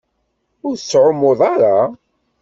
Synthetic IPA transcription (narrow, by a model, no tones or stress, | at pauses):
ʊɾt͡sːʕomːoðˤɑɾˤa